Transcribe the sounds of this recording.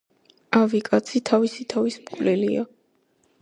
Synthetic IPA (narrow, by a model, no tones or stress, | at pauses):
avikʼat̪sʰit̪ʰavisit̪ʰavismkʼvlɛlia̰